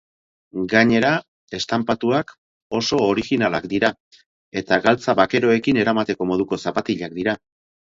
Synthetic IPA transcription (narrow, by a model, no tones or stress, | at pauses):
ɡaɲe̞ɾa | e̞st̪ampat̪uak | o̞so̞ːɾiɣinala̰kd̪iɾa | e̞t̪aɡalt͡saβake̞ɾo̞e̞kine̞ɾamat̪e̞ko̞mo̞ð̞uko̞sapat̪iʎak̚d̪iɾa